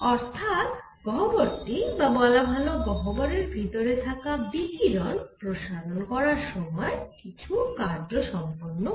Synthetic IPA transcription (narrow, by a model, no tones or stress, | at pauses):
ɔɾt̪ʰat̪ | ɡʱɔboɾʈibabɔlabʱaloɡɔɦoboɾeɾbʱit̪oɾet̪ʰakabikiɾɔnpɾoʃaɾonkɔɾaɾʃɔmɔekit͡ɕʰukaɾd͡ʑɾoʃɔmponːo